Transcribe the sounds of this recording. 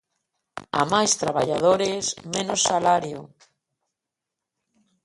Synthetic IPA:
a̰majst̪ɾaβaʎað̞oɾezmẽnosːalaɾjo

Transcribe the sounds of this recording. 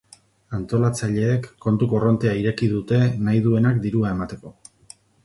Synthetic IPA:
ant̪o̞lat͡saʎe̞ːkːo̞nt̪uko̞ro̞nt̪e̞aiɾe̞kiðut̪e̞najðue̞nakd̪iɾuae̞mat̪e̞ko̞

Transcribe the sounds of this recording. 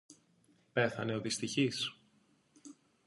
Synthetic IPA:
pe̞θɐne̞o̞ðist̪içis

